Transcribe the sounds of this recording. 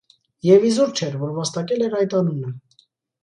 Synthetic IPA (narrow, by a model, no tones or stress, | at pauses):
jɛvizuɾt͡ʃʰɛɾvɔɾvɑst̪ɑkɛlɛɾɑjt̪ɑnunə